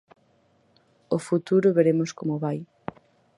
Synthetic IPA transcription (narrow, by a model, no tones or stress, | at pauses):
ʊfut̪uɾʊβeɾemʊskomʊβaj